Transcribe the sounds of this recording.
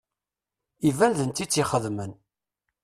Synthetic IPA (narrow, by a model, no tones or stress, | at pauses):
ivænðənt̪ːit͡sːiχəðmən